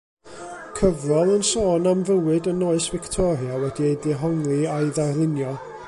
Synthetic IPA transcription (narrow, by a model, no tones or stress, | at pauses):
kʰəvrɔlˠənsoːnamvəwɨdənoːɨsvɪktʰɔɾjawɛdiejdɪɦɔŋlˠiaɨðarlˠɪnjɔ